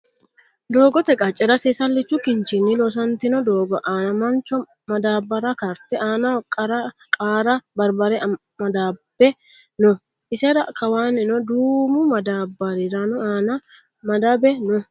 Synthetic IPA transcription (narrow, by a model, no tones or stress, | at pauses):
d̪oːɡɔt̪ɛkʼɐt͡ʃʼɛɾɐseːsɐlːɪt͡ʃːʊkɪnt͡ʃɪnːilɔs̬ɐnt̪ɪnɔd̪oːɡɔʔaːnɐmɐnt͡ʃɔ | mɐd̪aːbːɐɾɐkɐɾt̪ɛʔaːnɐkʼɐɾɐkʼaːɾɐbɐɾbɐɾɛ | mɐd̪aːb̥ɛ | nʊ | ʔɪsɛɾɐkɐwaːnːɪnɔd̪uːmʊmɐd̪aːbɐɾɪɾanʊaːnɐ | mɐd̪abɛnʊ